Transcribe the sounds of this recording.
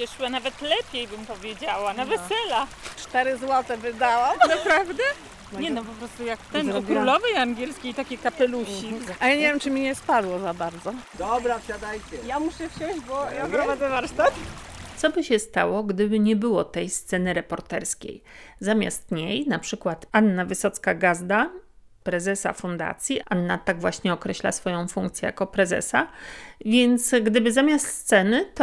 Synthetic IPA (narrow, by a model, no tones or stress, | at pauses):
ɛʂwanavɛt̪lɛpʲjejbɘmpɔvʲjed͡ʑawanavɛsɛlat͡ʂt̪ɛɾɘzwɔt̪ɛvɘd̪awamnapɾavd̪ɛ | ɲɛnɔpɔpɾɔst̪ujakt̪ɛnukɾulɔvɛjaŋɡʲjɛlskʲijt̪akʲekapɛluɕiajjaɲevʲjɛmt͡ʂɨmʲiɲɛspad̪wɔzabaɾd̪zɔd̪ɔbɾafɕad̪ajt͡ɕɛjamuʂɛfɕɔ̃w̃bɔjapɾɔvad̪zɛvaɾʂt̪at̪t̪sɔbɘɕɛst̪awɔɡd̪ɘbɘɲɛbɘwɔt̪ɛjst̪sɛnɘɾɛpɔɾt̪ɛɾskʲḛjzamʲja̰st̪ɲejnapʂɘkwat̪anːavɘsɔt̪skaɡazd̪a | pɾɛzɛsa̰fund̪a̰t̪sʲjiʔanːat̪aɡvwaɕɲɛɔkɾɛɕla̰sfɔjɔ̃w̃fuŋk̚t̪sʲjɛjakɔpɾɛzɛ̰savʲjɛnt̪sɡd̪ɘbɘzamʲjast̪st̪sɛnɘt̪